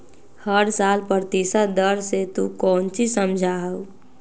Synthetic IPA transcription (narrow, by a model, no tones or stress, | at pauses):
həɾsaːlpəɾt̪iːsad̪əɾset̪ukɔːnt͡ʃisəmd͡ʒʱaɦəo